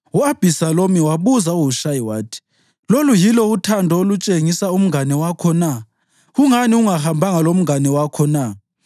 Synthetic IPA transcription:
uab̥ʱisalomiwaβuzauwuʃajiwaːtʰi̥ | lolujilɔutʰandʱɔolut͡ʃʼeŋisaum̩ŋanɛwakʰɔna | ɣuŋaniuŋahambʱaŋalom̩ŋanɛwakʰɔna

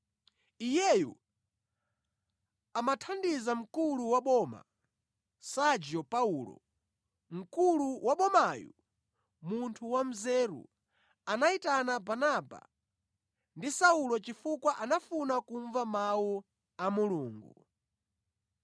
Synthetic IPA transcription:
ijɛjṵ | amatʰandizam̩kuluwaɓɔma̰ | sad͡ʒɔpaulɔ̰ | m̩kuluwʔaɓɔmajṵ | muntʰuwam̩zɛɾṵ | anaitanabanaba̰ | ndisaulɔt͡ʃifukwaʔanafunakuɱvamawu | amuluːŋɡu

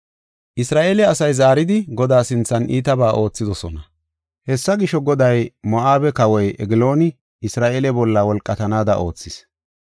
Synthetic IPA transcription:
ʔɪsɾaːʔe̞ːlɛɐsɐjzaːɾɪd̪ɪɡɔd̪aːsɪnt͡sːɐnʔiːt̪ɐbaːʔo̞ːt͡sːɪd̪ɔsɔnɐ | hɛsːɐɡɪʃɔɡɔd̪ɐjmɔʔaːbɛkɐwɔjʔɛɡɪloːnɪ | ɪsɾaːʔeːlɛbɔlːawɔlkʼːɐt̪ɐnaːd̪ɐ̰ʔo̞ːt͡sːɪs

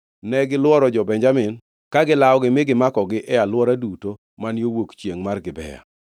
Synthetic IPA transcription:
nɛɡɪlwɔɾɔd͡ʒɔbɛɲd͡ʒamɪn | kaɡɪlaɔɡɪmɪɡɪmakɔɡɪʔɛalwɔɾaduto | manjowokt͡ʃjeŋmarɡɪbɛ̰ja̰

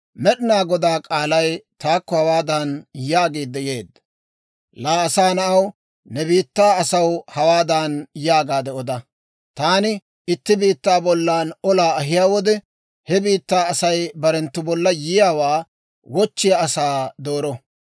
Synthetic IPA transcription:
mɛɗɪnaːɡɔd̪aːkʼaːlɐjt̪aːkːɔhɐwaːd̪aːnjaːɡeːd̪ːɛje̞ːd̪ːɐ | laːɐsaːnɐʔɐw | nɛbiːt̪ːaːɐsɐwhɐwaːd̪aːnjaːɡaːd̪ɛʔɔd̪ɐ | t̪aːnɪ | ɪt̪ːɪbiːt̪ːaːbɔlːaːnɔlaːɐɦɪjaːwɔd̪ɛ | hɛbiːt̪ːaːɐsɐjbɐɾɛnt̪ːʊbɔlːɐjɪjaːwaː | wɔt͡ʃːɪjaɐsaːd̪o̞ːɾɔ

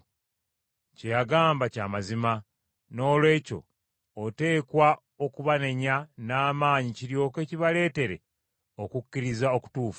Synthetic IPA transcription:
cejaɡaːmbacaːmazima | no̞ːlwe̞ːco̞̰ː | te̞ːkwa | o̞kuβane̞ɲanaːmaːɲiciɾjo̞ːke̞ciβale̞ːte̞ɾe̞̰ | o̞kukːiɾizao̞ku̥tuːfḁ

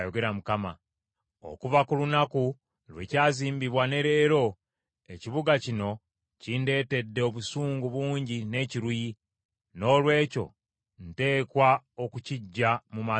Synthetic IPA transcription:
joɡe̞ɾamukama̰ | o̰kuvakulunaku | lwe̞caːziːmbiβwane̞ɾe̞ːɾo̞ | e̞ciβuɡacino̞ | cinde̞ːte̞dːeoβusuːŋɡuβuːɲɟine̞ciɾuji | no̞ːlwe̞ːco̞̰ | n̩te̞ːkwao̞kuciɟːamuma

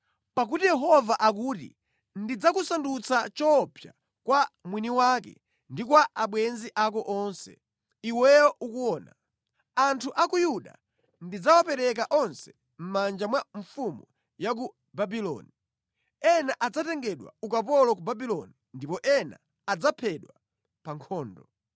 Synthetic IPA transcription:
pak̬utijɛɦɔvaʔak̬uːtḭ | ndid͡zakusandut͡sat͡ʃɔpʰja̰ | kwamwiniwakɛ̰ | ndikwaaɓwɛnziʔakɔʔɔnsɛ̰ | iwɛwɔukuɔːna̰ | antʰuʔakujuɗa̰ | ndid͡zawapɛɾɛk̬aʔɔnsɛ̥ | m̩mand͡ʒamwaɱfumu | jak̬u | babilɔ̰ni | ɛnaʔad͡zatɛŋɡɛɗwa̰ukapɔlɔk̬ubabilɔni | ndipɔʔɛna̰ː | d͡zapʰɛɗwa | paŋkʰɔːndɔ

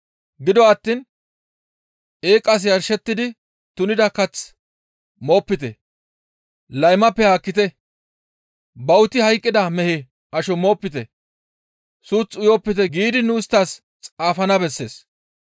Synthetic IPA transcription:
ɡɪd̪ɔɐt̪ːiːn | e̞ːkʼːɐs̬jɐɾʃɛt̪ːɪd̪ɪ | t̪ʊnɪd̪ɐkɐt͡s | mo̞ːpːɪt̪ɛ̰ | lɐjmɐpːɛhaːkːɪt̪ɛ | bɐwt̪ɪhɐjkʼːɪd̪ɐmɛhɛ | ʔɐʃɔmo̞ːpːɪt̪ɛ | suːt͡sːʊjoːpːɪt̪ɛɡiːd̪ɪnʊɪst̪ːaːs | t͡sʼaːfɐnɐbɛsːe̞̰ːs

